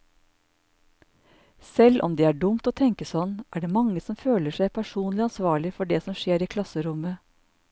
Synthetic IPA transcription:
sɛlʔɔ̰md̪iːæːɖʊmt̪oːt̪ʰɛŋkəsɔnʔæːɖeːmɑŋəsɔmføːləʃæɪpʰæʃuːnlɪɑnsʋɑːɭɪfɔɖeːsɔmʃeːɾiːkʰlɑsəɾʊmə

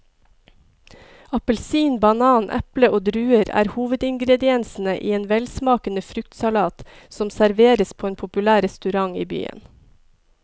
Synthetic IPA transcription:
ɑpəlsiːnbɑnɑːnʔɛ̰pləʔoːd̪ɾʉːəɾæ̰ːɾhuːʋəd̪ɪŋɡɾɛd̪ɪɛnsn̩əʔḭːeːnʋɛlsmɑːkənəfɾʉkt̪sɑlɑːt̪ | sɔmsæɾʋeːɾəspʰoːeːnpʰʊpʉlæːɾɛst̪ʉɾɑŋiːby̰ːə̰n

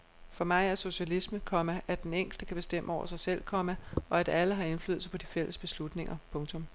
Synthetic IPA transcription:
fɒ̽mɑ̈ɪæɐso̝ɕælisməkʰɒ̽mæʔæd̥eneŋ̰ɡ̥l̩d̥əkʰæb̥e̝sd̥em̰əɒʊ̰ɐ̰sɑ̈ɪsel̰kʰɒ̽mæɒ̽æd̥æləɦɑ̈e̝nfly̰ːð̩ˠsɑpʰɒ̽d̥ifel̰əsb̥e̝slud̥ne̝ŋɐpʰɔ̽ŋt͡sʰɔ̽m

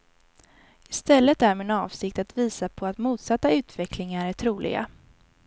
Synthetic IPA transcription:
ɪst̪ɛlːət̪̚d̪æɾmeːnɑːvsɪkt̪at̪viːsapʰɔat̪muːt̪sat̪ːaʉ̟ːt̪vɛkʰlɪŋaɾæʈʰɾuːlɪ̰ɡa̰

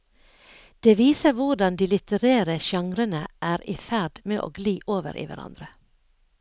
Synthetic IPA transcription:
d̪̥eːʋiːsəʋʊɖɑnd̪iːlɪt̪əɾeːɾəʃɑŋɾənəʔæːɾiːfæɖmeːʔo̰ːɡliːʔoːʋə̰ɾʔḭːʋæ̰ɾɑ̰nd̪ɾə

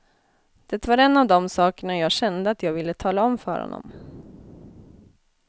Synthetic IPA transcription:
d̪̥ɛt̪vaɾɛnːavd̪ɔmsɑːkəɳajɑːɡɕɛnd̪əat̪jɑːɡvɪlːət̪ʰɑːlaɔmfœ̰ɾhɔ̰nːɔ̰m

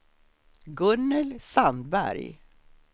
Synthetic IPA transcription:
ɡɵnːəlsand̪bæ̰ɾj

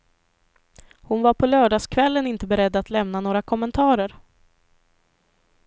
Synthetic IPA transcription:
hʊnvaɾpʰɔlœːɖɑːskʰvɛlːənɪnt̪əbɛɾɛd̪ːat̪lɛmnanoːɾakʰɔmːənt̪ʰɑːɾəɾ

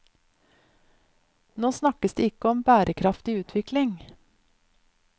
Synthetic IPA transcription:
noːsnɑkəsd̪ḛːɪkəɔmbæːɾəkʰɾɑft̪ɪʉːt̪ʰʋɪklɪŋ

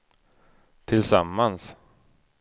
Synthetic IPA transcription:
t̪ʰɪlsamːans

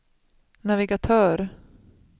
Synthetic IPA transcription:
navɪɡat̪ʰœːɾ

